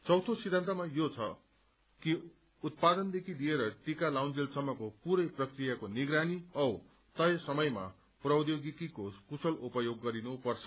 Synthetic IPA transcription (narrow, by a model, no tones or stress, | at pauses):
t͡sʌwt̪ʰosid̪ʱant̪ʌmajot͡sʰʌ | ki | ut̪̚pad̪ʌnd̪ekʰid̪ieɾʌʈikalawnd͡zelsʌmːʌkopuɾʌjprʌkrijakoniɡɾaniʌw | t̪ʌjesʌmʌjma̰ | prʌwd̪joɡikikokusʌlupʌjoɡːʌɾinupʌrt͡sʰʌ̥